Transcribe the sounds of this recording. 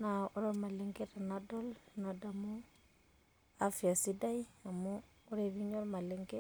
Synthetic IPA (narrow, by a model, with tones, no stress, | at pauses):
na˨u˦ɾe˦ma˨li˦ŋɡe˦ta˨na˦do˦lna˨da˨mu˦ | a˦fi˨a˨si˦da˦ja˨muː˦ | ɾe˦˨vi˦ɲo˦ɾma˨le˨˦ŋɡe˦